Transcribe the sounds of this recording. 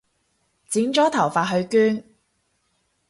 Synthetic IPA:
t͡si˨˥ŋt͡ʃɔː˨˥t̪ʰɐ˨˩wfaː˨˧t̚ɦɵ˧ɥkyː˥n

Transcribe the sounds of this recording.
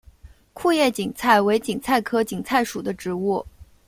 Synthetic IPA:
kʰu˥˧jɛ˥˩t͡ɕi˨˩ŋt͡sʰa˥˩ɪwe˧˥ɪt͡ɕi˨˩ŋt͡sʰa˥˩ɪkʰɤ˥t͡ɕi˨˩ŋt͡sʰa˥˩ɪʂu˨˩d̪ə˦ʈ͡ʂɻ̩˧˥u˥˩

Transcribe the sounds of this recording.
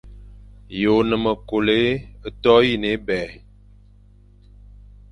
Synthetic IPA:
jo˨nə˨mə˨ko˨le˦ə˦tɔ˦ji˦˨ne˨˦bɛ˨

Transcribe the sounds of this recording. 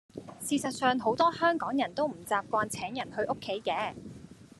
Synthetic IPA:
siː˧sɐ˨t̚sœː˨ŋɦo˨˥wt̪ɔː˥hœː˥ŋkɔː˨˥ŋjɐ˨˩nt̪o˥wm̩˨˩t͡saː˨˧p̚kʷaː˧nt͡sʰɛː˨˥ŋjɐ˨˩nhɵ˧ɥʔo˥kʰːe˨˥jkɛː˨˥

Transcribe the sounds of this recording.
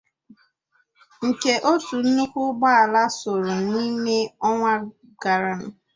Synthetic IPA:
ŋ̩˨ke˨ʔo˦tu˨n̩˦ʊ˦kʷʊ˦ɡ͡ba˦a˨la˦so˨ɾʊ˨ni˦me˦ɔ˦ŋʷa˦ | ɡa˨ɾa˨n̩˨

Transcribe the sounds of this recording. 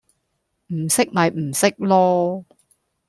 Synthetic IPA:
m̩˨˩sɪ˥k̚mɐ˨˧jm̩˨˩sɪ˥k̚lɔː˥

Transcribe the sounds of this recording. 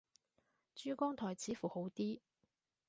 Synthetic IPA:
t͡ʃyː˥kɔː˥ŋt̪ʰɔː˨˩jt͡sʰiː˨˥fuː˨˩ho˨˥wt̪iː˥

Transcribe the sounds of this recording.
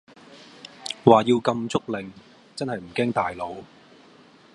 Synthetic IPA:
waː˨˩ji˧wkɐ˧mt͡sʊ˥k̚lɪ˨ŋ | t͡sɐ˥nɦɐ˨jm̩˨˩kɛː˥ŋt̪aː˨jlo˨˧w

